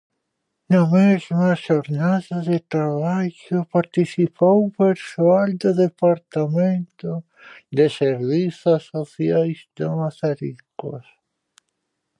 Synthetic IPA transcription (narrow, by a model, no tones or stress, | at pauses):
nɐmezmɐʃoɾnaðɐðet̪ɾaβaʝopaɾt̪isipowũpeɾsoald̪oðepaɾt̪amẽnt̪o | d̪eseɾβisasoθjajsd̪amasaɾika̰s